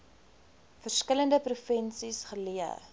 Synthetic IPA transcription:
fərskələndəprufənsisχəliə̰

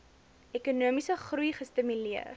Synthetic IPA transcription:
ɛkunuəmisəχrujχəstimyliə̰r

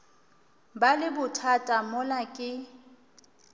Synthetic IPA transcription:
balɪbʊtʰatʼamʊlakʼɪ

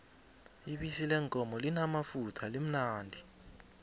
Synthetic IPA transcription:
iɓisilɛŋkʼɔmɔlinamafutʰalem̩naːndʱi

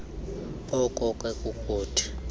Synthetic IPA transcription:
ɔkʼɔkʼwɛkʼukʼuːtʰi̥

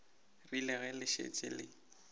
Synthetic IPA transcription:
rilɪɣɛlɪʃḛt͡ʃʼɪ̰lɪ

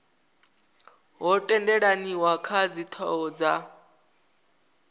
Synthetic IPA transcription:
ɦɔtʼɛndɛɺaniwakʰad͡zit̪ʰɔ̰ɔd͡za

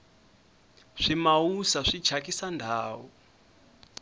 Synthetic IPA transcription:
ʂimausaʂid̥ʒ̥ʱakʼisandʱaːwɔ

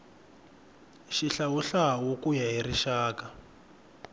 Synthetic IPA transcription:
ʃiɬawuɬawukujaɦiriʃaːka

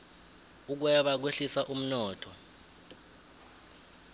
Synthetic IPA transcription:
uk̬wɛɓak̬weɬisaʔum̩nɔːtʰɔ

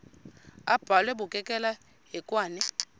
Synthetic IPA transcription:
ab̥ʱalwɛbʊkʼɛkʼɛla | ɦɛkʼwaːnɛ

